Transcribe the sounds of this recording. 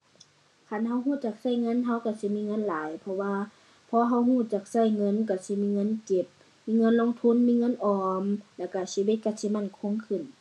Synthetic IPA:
kʰa˧˩˨nɦa˧˥wɦuː˧˥˨t͡ɕa˧˩k̚sa˧˥˨jŋɤ˧˥˨nɦa˧˥˨wka˧˩si˧˦miː˧˥˨ŋɤ˧˥˨nlaː˨˦jpʰɔ˧waː˧ | pʰɔː˧ɦa˧˥˨whuː˧˩˨t͡ɕa˨˧˩k̚sa˧˩˨jŋɤ˧˥˨nka˧˩si˧˦miː˧˥˨ŋɤ˧˥˨nke˧˦p̚ | miː˧˥˨ŋɤ˧˥˨nlo˧˥˨ŋt̪ʰu˧˥˨nmiː˧˥˨ŋɤ˧˥˨nʔɔː˨˩mlɛ˧˩wka˧˩si˧˩we˧˩t̪̚ka˧˩si˧˦˨ma˧˥˩nkʰo˧˥˨ŋkʰɯ˧˩˨n

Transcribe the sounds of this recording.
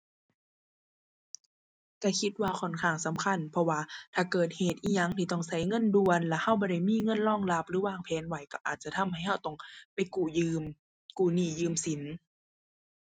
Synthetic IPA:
ka˧˩kʰi˧˦t̪̚waː˧˨kʰɔ˨˩nkʰaː˧˩ŋsa˨˦mkʰa˧˥˨npʰɔ˧waː˧t̪ʰaː˧˩kɤː˨˩t̪̚heː˨˩t̪̚ʔiː˧˩ɲa˧˩˨ŋt̪ʰiː˧˩t̪ɔ˧˩ŋsa˧˩˨jŋɤ˧˥˨ndu˧ənlɛ˧˥ha˧˩wbɔː˧˩ɾa˧˩jmiː˧˥˨ŋɤ˧˥˨nlɔː˧˥˨ŋla˧p̚ɾɯː˨˦waː˧˨˩ŋpʰɛː˨˦nwa˨˦jka˧˩ʔaː˨t̪̚t͡ɕa˧t̪ʰa˧˥˨mha˧˨˩jha˧˩wt̪ɔ˧˩ŋpa˧˩jkuː˧˩jɯː˧m | kuː˨˩niː˧˩jɯː˧˨msi˨˦n

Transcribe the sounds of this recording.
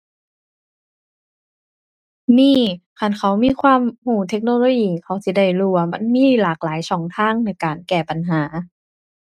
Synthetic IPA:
miː˧˥˨kʰa˧˩˨nkʰa˧˦wmiː˧˥˨kʰwaː˧˨mhuː˧˩t̪ʰe˦˥k̚noː˧loː˧˥˨jiː˧˩kʰa˧˩wsi˧˩da˧˩jluː˧˩wa˧ma˧˥˨nmiː˧˥˨laː˨˩k̚laː˨˦jsɔː˨˩˦ŋt̪ʰaː˧˥˨ŋna˧˩jkaː˨nkɛː˧˩pa˨˩nɦaː˩˦

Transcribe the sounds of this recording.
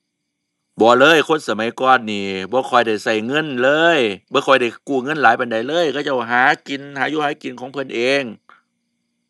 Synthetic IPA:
bɔː˧˦lɤː˧˥˨jkʰo˧˥˨nsa˧˦ma˨˦jkɔː˧˨nːiː˧˩bɔː˧˦kʰɔ˨˩jda˧˩jsa˧˩jŋɤ˧˥˨nlɤː˧˥˨jbɔː˧˦kʰɔ˨˩jda˧˩jkuː˧˩ŋɤ˧˥˨nlaː˨˦jpa˨nda˨jlɤː˧˥˨jkʰa˧˩t͡ɕa˧˩wɦaː˨˦ki˨nhaː˨˦juː˧˩haː˧˦jki˨nkʰɔː˨˦ŋpʰɤ˧˨nʔeː˧˨ŋ

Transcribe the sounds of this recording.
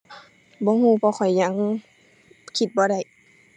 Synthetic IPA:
bɔː˧˦ɦuː˧˨pʰɔː˧kʰɔ˨˩jɲa˧˥˦ŋ | kʰi˧t̪̚bɔː˧˦ɾa˧˩j

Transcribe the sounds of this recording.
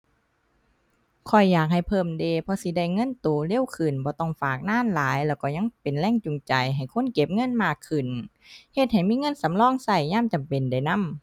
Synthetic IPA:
kʰɔ˧˩jːaː˨˩k̚ha˨˩jpʰɤː˧˩mdeː˧˩pʰɔ˧si˧˦da˧˩jŋɤ˧˥˨nt̪oː˨˩˦le˧˥˨wkʰɯ˨˩nbɔː˧˦t̪ɔ˧˩ŋfaː˨˩k̚naː˧˥˨nlaː˨˦jlɛː˧˩wkɔː˧˩ɲa˧˥˨ŋpe˨nlɛː˧˥˨ŋt͡ɕu˨ŋt͡ɕa˨jɦa˨˩jkʰo˧˥˨nke˧˦p̚ŋɤ˧˥˨nmaː˧˩kʰːɯ˨˩n | he˧t̪̚ha˨˩jmiː˧˥˨ŋɤ˧˥˨nsa˨˦mlɔː˧˥˨ŋsa˧˩jɲaː˧˥˨mt͡ɕa˨mpe˨nda˧˩jna˧˥˨m

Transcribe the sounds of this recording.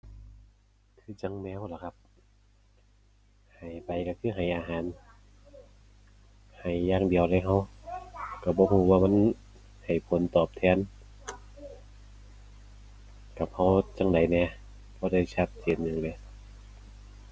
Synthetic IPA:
k̪ʰɯː˧˥t͡ɕa˧ŋnɛː˧˨wla˧˦˩kʰa˧˥p̚ | ha˨˩jpa˨˩jka˧˩kʰɯː˧˥˨ɦa˨˩jʔaː˧ɦaː˨˦n | ha˨˩jːaː˧˩ŋdi˨əwla˧˥jɦa˧˥˩w | ka˧˩bɔː˧˦huː˧˩waː˧ma˧˥˨n | ha˨˩jpʰo˨˦nt̪ɔː˨˩p̚t̪ʰɛː˧˨n | ka˧˩p̚ha˧˥wt͡ɕa˧ŋda˨˦jnɛː˧˩ | bʰɔː˧˦da˧˩jt͡ɕʰa˧˩p̪̚t̪ʰiː˨˩˨nːɯ˧˩ŋlɛ˧˦

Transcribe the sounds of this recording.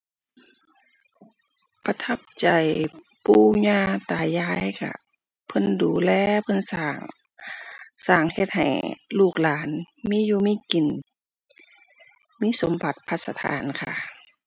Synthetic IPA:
pa˧t̪ʰa˧˩p̚t͡ɕa˨˩j | puː˧˩ɲaː˧˨t̪aː˨˩jaː˧˥˨jkʰa̰˧˩ | pʰɤ˧˥˨nduː˨˩lɛː˧pʰɤ˧˥˨nsaː˧˩ŋ | saː˨˩ŋhe˧t̪̚ha̰˨˩jluː˧˩k̚laː˨˦nmiː˧˥˨juː˧˨miː˧˥˨ki˨n | miː˧˥˨so˨˦mba˨˩t̪̚pʰa˧t̪̚sa˧t̪ʰa̰ː˨˧˦nkʰa̰˧˩

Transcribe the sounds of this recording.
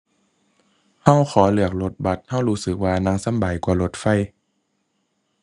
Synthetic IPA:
ha˧˥˩wxʰɔː˩˦lɯ˧˩ək̚lo˧˥t̪̚ba˧˩t̪̚ha˧˥˩wɾuː˦˥sɯ˨˩k̚waː˧na˧˥ŋsa˧˥˨mba˨˩jkwaː˨˧˩lo˧˦t̪̚fa˧˥˨j

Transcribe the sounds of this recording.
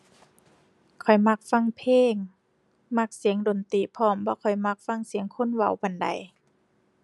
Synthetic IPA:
kʰɔ˨˩jma˧˩k̚fa˧˥˨ŋpʰeː˧˥˨ŋ | ma˧˩k̚si˨˩˦əŋdo˨˩nt̪iː˨˩pʰɔː˧˩˨mbɔː˧˦kʰɔ˨˩jma˧˥˩k̚fa˧˥˨ŋsi˨˩˦əŋkʰo˧˥˨nwa˧˩wba˨nda̰˨j

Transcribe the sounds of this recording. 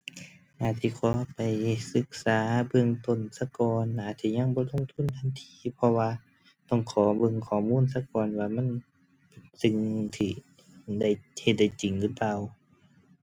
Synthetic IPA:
ʔaː˨˧˩t̪̚siː˧˩kʰɔː˨˦pa˨jsɯ˧˦k̚saː˨˦bɯ˧əŋt̪o˧˩˨nsa˧˦kɔː˨˧naː˨˩t̪sʰiː˧ɲa˧˥˨ŋbɔː˧˦lo˧˥˨ŋt̪ʰu˧˥˨nt̪ʰa˧˨nt̪ʰiː˧˦pʰɔ˧waː˧ | t̪ɔ˧˩ŋkʰɔː˨˩˦bɤ˧˨ŋkʰɔː˨˩muː˧˥˨ns̬a˧kɔː˨nwaː˧˩ma˧˥˨n | pe˨˩nsɯ˧ŋt̪ʰiː˧˩ | da˧˥˩jhe˧˩t̪̚da˧˩jt͡ɕi˨˩ŋlɯ˧˩paː˧˨w

